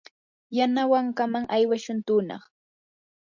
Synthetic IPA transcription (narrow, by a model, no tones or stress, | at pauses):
janawaŋkamaŋʔajwaʃʊnt̪ʊːnɑ̰χ